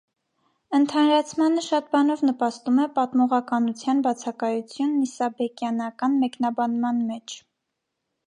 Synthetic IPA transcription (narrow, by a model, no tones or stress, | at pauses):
ənt̪ʰɑnɾɑt͡sʰmɑnəʃɑt̪̚bɑnɔvnəpɑst̪umɛpɑt̪mɔʁɑkɑnut͡sʰjɑnbɑt͡sʰɑkɑjut͡sʰjunːisɑbɛkjɑnɑkɑnmɛknɑbɑnmɑnmɛt͡ʃʰ